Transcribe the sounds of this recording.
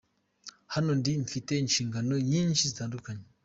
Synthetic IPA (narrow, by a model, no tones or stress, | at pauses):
hanondimfiten̩ʃiŋɡanojinʃisdandukaɲ